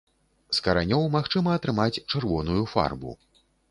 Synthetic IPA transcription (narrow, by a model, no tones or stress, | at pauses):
skɐɾanʲɔwmaxt͡ʂɨmɐɐt̪ɾɨmat͡sʲt͡ʂɨrvɔnujufa̰rbṵ